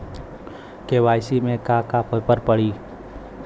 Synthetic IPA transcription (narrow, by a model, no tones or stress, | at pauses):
keʋaːjsimẽkakapəpəɾpəɽiː